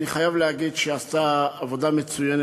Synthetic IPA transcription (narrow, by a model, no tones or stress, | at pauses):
niχajavleaɡid̪ʃeast̪aːvo̞d̪amet͡sujene